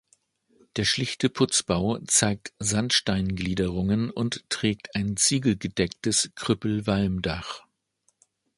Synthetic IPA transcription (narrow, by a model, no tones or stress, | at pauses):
d̥eːɐʃlɪçtəpʰʊt͡sb̥aʊt͡saɪk̚tz̥antʃtaɪnɡliːdəʁʊŋənʊnttʁ̥ɛːk̚tʰaɪnt͡siːɡl̩ɡədɛktəskʁ̥ʏpl̩valmdaχ